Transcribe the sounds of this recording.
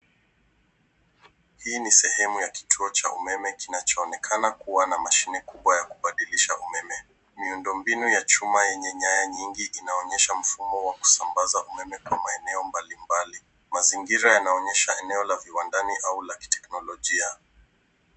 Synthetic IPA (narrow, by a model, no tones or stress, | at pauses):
hiːnisɛhɛmujaki̥tʰuɔt͡ʃa̰ʔumɛmɛkinat͡ʃɔːnɛkʰanakuwanamaʃinɛkuɓwajaku̥ɓaɗiliʃaʔumɛmɛ | miundɔmbinujat͡ʃumajɛɲɛɲajaɲiŋɡiʔinaɔɲɛʃam̩fumɔwaku̥sambazaʔumɛmɛkwamaɛnɛɔmbalimbali | maziŋɡiɾajanaɔɲɛʃaɛnɛɔlaviwandaniʔaulaki̥tɛ̥knɔlɔʄia